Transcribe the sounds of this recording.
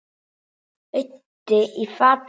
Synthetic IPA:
e | teifap

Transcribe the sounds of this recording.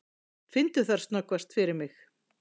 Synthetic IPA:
fɪnt̪ʏθaɾ̥st̪nɔkvast̪fɪɾɪɾmɪx

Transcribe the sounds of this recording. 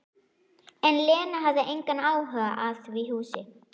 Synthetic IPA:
ɛnlɛːnaɦaððaʔejŋkanaːwɦœaʔaðviɦuːsɪ

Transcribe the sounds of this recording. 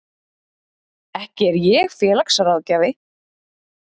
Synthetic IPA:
ɛhcɪɛɾjɛɣfjɛːlaksaɾaðcaːvɪ

